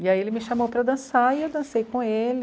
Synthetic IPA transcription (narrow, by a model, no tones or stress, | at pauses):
iaielɪmɪʃamowpɾɐd̪ɐ̃saiewd̪ɐ̃sejkõelɪ